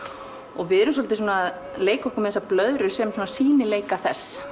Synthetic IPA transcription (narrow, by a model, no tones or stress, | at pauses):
ɔɣvɪðɛɾʏms̬ɔlt̪ɪs̬uːnaːð | leːjkɔhkʏmɛðɛsaplœðɾʏsɛmsuːnasiːnɪleːjkaθɛsː